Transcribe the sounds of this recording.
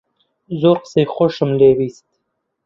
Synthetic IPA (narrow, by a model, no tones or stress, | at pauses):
zoqsexoʃəmlewist̪̚